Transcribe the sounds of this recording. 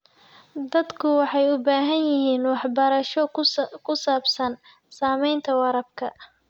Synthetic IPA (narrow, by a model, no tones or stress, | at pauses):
d̪ɐd̪kʰʊwɑħɑjʊbaːɦɐnjɪɦiːnwɑħbɐɾɐʃɔkʰʊsaːbsɐn | saːmɛjnt̪ʰɐwɑɾɐb̚kʰɐ